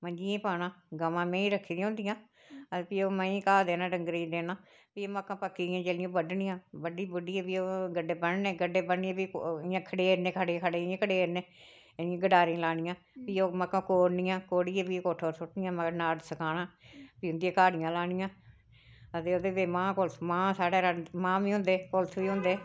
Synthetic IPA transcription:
məd͡ʒiẽːpaːnãːɡəmãːmɛ̃ːĩːɾəkʰːiːd̪ĩaːʊ̃nd̪ɪjãː | əpiːoːməĩːkaːd̪eːnãːɖəŋɡɾiːd̪eːnãː | piːoːməkːãːpəkːiːãːd͡ʒeːlɪjõːbəɖnɪ̃jãːbəɖiːbʊɖiːɛːpiːoːɡəɖeːbənneːɡəɖːeːbəniãpiːjãːkʰəɽeːɾnẽːkʰəɽeːkʰəɽeːẽːkʰəɽeːɾnẽː | jãːɡəɖaːɾĩːlaːnɪjãː | piːoːməkːãːkoːɾnɪjãːkoːɽiːɛ̃ːpiːkoːʈʰoːɾsʊʈnɪ̃jãːməɡəɾnaːɖsəkaːnãːpiːʊnd̪iãːkaːɽɪjãːlaːnɪjãː | ət̪eːoːd̪eːbeːmãːkʊlt̪ʰmãːsaːɽeːɾəmãːʋiːɦʊ̃nd̪eːkolt̪ʰʋiːɦʊ̃nd̪eː

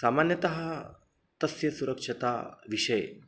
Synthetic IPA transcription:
samanjɐt̪ɐɦɐ | t̪ɐsjɐsuɾəkʂɐt̪a̰ʋiʂɐj

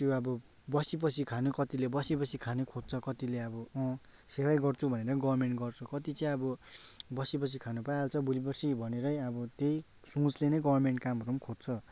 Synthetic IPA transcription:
t̪joʌbʌ | bʌsip̬ʌt͡sʰikʰanukʌt̪ilebʌsibʌsʰikʰanukʰod̪̚t͡sʰʌkʌt̪ileʌbʌʌ̃ | sewajɡʌrt͡sʰubʱʌneɾʌɡʌbʌrmeɳʈɡʌrt͡sʰukʌt̪it͡sʌĩʌbʌbʌsipʌt͡sʰikʰanupajalt͡sʰʌbulip̬ʌrsibʱʌneɾʌjʌbʌt̪ej | sũt͡slenʌɡʌbʌrmeɳʈkamɦʌɾumkʰod̪t͡sʰʌ

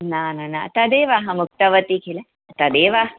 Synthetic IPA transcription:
naːnanat̪ɐd̪eːʋaːɦɐmuk̚t̪ɐʋɐt̪ikʰile | t̪ɐd̪eːʋaːɦɐ

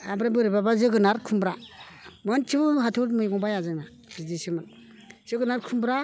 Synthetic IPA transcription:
abɾabɯɾibabazɯɡɯnaɾkʰumbɾa | mant͡ʃʰiɦatʰutmɯjɡɔbajazama | bidisiman | z̥ɯɡɯnaɾkʰumbɾa

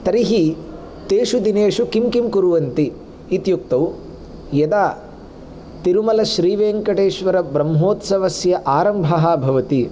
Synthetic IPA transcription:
t̪ɐɾiɦi | t̪eːʃud̪ineːʂukimkimkuɾuʋɐnt̪iː | t̪juk̚t̪ɐw | jɐd̪aː | t̪iɾumɐlɐʃɾiːʋeːŋkɐʈeːʃʋɐɾɐbɾɐmɦoːt̪sɐʋɐsjɐʔaːɾɐmbʱɐɦɐbʱɐʋɐt̪i

